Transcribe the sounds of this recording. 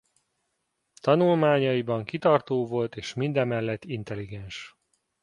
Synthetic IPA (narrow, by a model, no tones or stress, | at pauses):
t̪ɒnulmaːɲɒibɒŋkit̪ɒrt̪oːvo̞lt̪eːʃmind̪ɛmːɛlːɛt̪ːint̪ɛliɡɛnʃ